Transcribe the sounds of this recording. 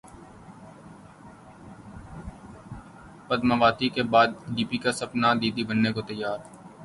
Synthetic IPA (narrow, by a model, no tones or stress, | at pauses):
pəd̪mabaːt̪ikebaːd̪ɖiːpikasɐpnad̪iːd̪ibənːekot̪əjːaːɾ